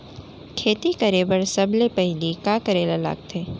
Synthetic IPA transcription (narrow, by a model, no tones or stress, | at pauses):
kʰeːt̪ikɐɾeːbəɾsɐblepəɦɪ̃likaːkəɾeːlala̰ːk̚t̪ʰeː